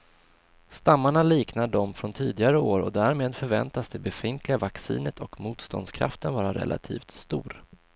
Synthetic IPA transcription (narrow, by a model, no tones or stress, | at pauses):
st̪amːaɳaliːknaɖɔmfɾɔnt̪ʰiːd̪ɪɡaɾəoːɾɔd̪æːɾmeːd̪fœɾvɛnt̪asd̪ɛbɛfɪnt̪ʰlɪɡavaksḭːnət̪ʰɔkmuːt̪st̪ɔ̰nd̪skʰɾa̰ft̪ənvɑːɾaɾɛ̰lʔa̰t̪ʰḭːft̪st̪uːɾ